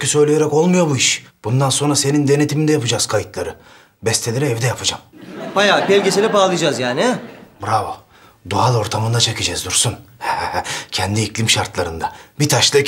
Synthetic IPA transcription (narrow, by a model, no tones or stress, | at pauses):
cysø̞jlʲejeɾɛko̞lˠmujo̞buiʃb̥und̪anso̞nɾase̞nind̪e̞ne̞t̪ʰimind̪ɛjapɯd͡ʒaz̥kʰajɯt̪lˠaɾɯ | bɛst̪ʰeiɾɛɛvd̪ɛjapʰɯd͡ʒambajaːpɛlʲɡesilʲɛpaːlˠɯjd͡ʒazjaːnɪbɾavo | d̪uɦalˠo̞ɾt̪ʰamɯnd̪at͡ʃʰakɯd͡ʒɛzd̪uɾsunhɛhɛhɛcʰɛnd̪iːcʰlʲimʃaɾt̪lˠaɾɯnd̪abit̪ʰaʃlˠɯ